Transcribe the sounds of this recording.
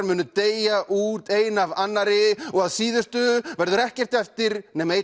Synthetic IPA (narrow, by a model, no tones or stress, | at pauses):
ɾmʏːnʏt̪eːjaʔuːt̪eːjnavanːaɾɪɔɣaðsiːðʏst̪ʏvɛɾðʏɾɛhcɛr̥t̪ɛft̪ɪɾnɛmeːj